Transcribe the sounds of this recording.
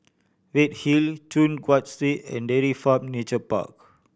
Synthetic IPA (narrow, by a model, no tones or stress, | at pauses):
wet̚hilt͡ʃũnɡwat̚stɹitɛ̰̃ndɛɹifamnet͡ʃəpa̰k̚